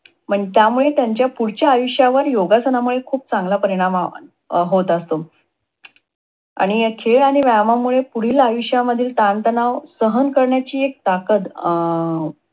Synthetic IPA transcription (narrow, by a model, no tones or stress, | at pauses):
m̤əɳt̪jamuɭet̪jaɲt͡ɕjapuɽ̤t͡ɕjaːjuʂjaʋəɾjoɡasənamuɭekʰuːp̚t͡sãŋɡlapəɾiɽ̃am | ɦot̪əst̪o | a̰ɽ̃ikʰeɭaɽ̃iʋamamuɭepuɽ̤iːlajuɕjaməd̪ʱiːlt̪ant̪ənaʋsəɦənkəɾɳjat͡ɕiːek̚t̪akət̪